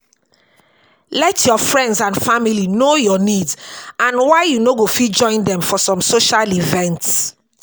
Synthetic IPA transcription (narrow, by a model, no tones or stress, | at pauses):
lɛtʰjɔfɹɛ̃ndzãnfamilinojɔnidzãnwaɪjunoɡofid͡ʒɔ̃ɪ̃ndɛ̃mfɔsɔ̃msoʃalivɛ̃nts